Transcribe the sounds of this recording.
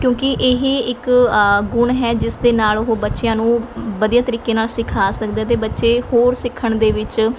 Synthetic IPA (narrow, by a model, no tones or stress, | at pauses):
kjõːkɪʔeːɦeɪkɡʊɳɦɛːd͡ʒɪsd̪eːnaːlʊɦoːbətːʃjãːnũːʋəd̪ijaːt̪əɾiːkeːnaːlsɪkʰaːslək̚ʰd̪eːt̪̬eːbətːʃeːhoːɾsɪkʰːəɳd̪eːʋɪt͡ʃ